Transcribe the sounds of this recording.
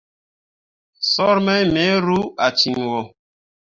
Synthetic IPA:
sɔ˦ɾmɛ˦jme˨˦ɾu˦a˨t͡ʃi˨ŋwɔ˨

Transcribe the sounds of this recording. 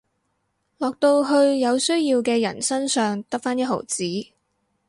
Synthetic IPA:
lɔː˨k̚t̪o˧wɦɵ˧ɥjɐ˨˧wsɵ˥ɥjiː˧wkɛː˧jɐ̰˨˩nsɐ˥nsœː˨ŋt̪ɐ˥k̚faː˥njɐ˥t̚ɦo̰˨˩wt͡siː˨˥

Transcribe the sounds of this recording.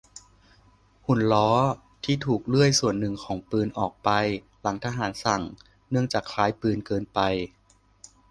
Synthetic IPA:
hu˨˩nlɔː˦˥ | t̪ʰiː˥˩t̪ʰuː˨˩k̚lɯ˥˩əjsu˨˩ənːɯ˨˩ŋkʰɔː˩˦ŋpɯː˧nʔɔː˨˩k̚pa˧j | la˩˦ŋt̪ʰaː˧ɦaː˩˦nsa˨˩ŋ | nɯ˥˩əŋt͡ɕaː˨˩kʰlaː˦˥jpɯː˧nkɤː˧npa˧j

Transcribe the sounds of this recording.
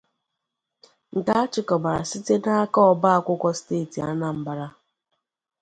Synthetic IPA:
ŋ̩˨ka˦a˦t͡ʃɪ˦˨kɔ˨ba˨ɾa˨si˦te˦na˦a˦kɔ˦ɔ˨ba˦a˨kʷʊ˦kʷɔ˦ste˦˨ti˨a˦na˨m̩˨ba˨ɾa˦

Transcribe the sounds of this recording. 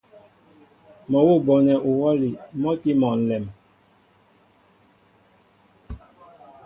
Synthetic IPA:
mɔ˨wo˦bɔ˨nɛ˨ʔu˨wɔ˦li˨mɔ˦ti˦mɔ˨n̩˨lɛ˨m

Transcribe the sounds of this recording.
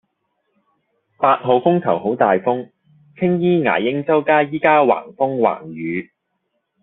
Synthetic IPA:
paː˧t̚ɦo˨wfʊ˥ŋk̪ʰɐ˨˩wɦo˨˥wt̪aː˨jfʊ˥ŋ | t͡sʰɪ˥ŋjiː˥ŋa̰ː˨˩jɪ˥ŋt͡sɐ˥wkaː˥jiː˥kaː˥wa̰ː˨˩ŋfʊ˥ŋwa̰ː˨˩ŋjyː˨˧

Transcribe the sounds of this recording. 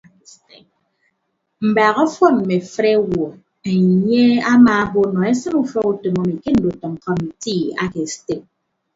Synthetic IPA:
t | m̩˨ba˨ɣɔ˦fɔ˦m̩˨me˨fɾe˦wɔ˨ | e˨ɲe˦a˦maː˨˦bo˦nɔ˨e˦sɨ˦ɾu˦fɔ˦ku˦to˨ŋɔ˦mi˨ke˦n̩˨do˨tɔ˨ŋ̩˨kɔ˦ni˨ti˦a̰˦ke˨ste˨k̚

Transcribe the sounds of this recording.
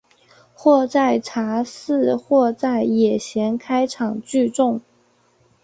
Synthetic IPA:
xwɔ˥˧t͡sa˥˩ɪʈ͡ʂʰa˧˥sɹ̩˥˧xwɔ˥˧t͡sa˥˩ɪjɛ˨˩ɕjɛ˧˥nkʰa˥ɪʈ͡ʂʰɑ˨˩ŋt͡ɕy˥˧ʈ͡ʂʊ˥˩ŋ

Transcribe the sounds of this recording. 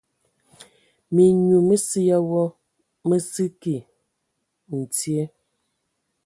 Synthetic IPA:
mi˨ɲu˨mə˦si˦ja˦wɔ˦ | mə˦sɨ˦ki˨ | n̩˨t͡sje˦

